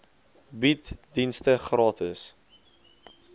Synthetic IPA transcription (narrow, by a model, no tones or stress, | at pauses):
bitdinstəχrɑːtʰəs